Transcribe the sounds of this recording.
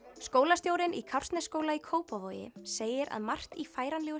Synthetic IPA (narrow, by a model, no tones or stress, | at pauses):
skoːwlast̪jowɾɪnʔḭkʰawr̥st̪nɛskoːwlaikʰoːwpavoːjɪ̰seːjɪɾa̰ðmar̥t̪ifaːjɾanlɛːɣʏ